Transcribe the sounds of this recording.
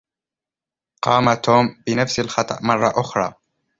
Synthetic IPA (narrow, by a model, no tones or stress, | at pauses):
qɑːmat̪ʰoːmbɪnafsalxɑt̪ˤɑ̰ʔmɑrˤːɑʔʊxɾˤɑ̰ː